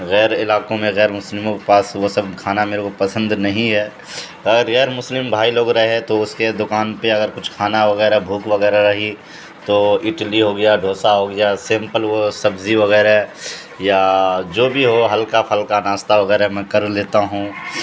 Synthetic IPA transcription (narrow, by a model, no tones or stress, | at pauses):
ɣɛːɾɪlaːkõmẽɣɛːɾmʊslɪmõkepaːsʋosɐbkʰaːnameːɾekopɐsə̃nd̪nɐɦĩɦɛː | ɐɡəɾɣɛːɾmʊslɪmbʱaːiloːɡɾɐɦeɦɛt̪oʊsked̪ʊkaːnpeɐɡəɾkʊt͡ʃʰkʰaːnaʋɐɣɛːɾaɦɛbʱuːkʋɐɣɛːɾaɾɐɦi | t̪oːɪʈliɦoːɡɐjaɖʱoːsaɦoːɡɐjasẽːmpəlʋosɐbziʋɐɣɛːɾaɦɛ | jad͡ʒoːbʱiɦoɦɐlkapʰɐlkanaːst̪aʋɐɣɛːɾaɦɛmɛ̃ːkɐɾleːt̪aɦũː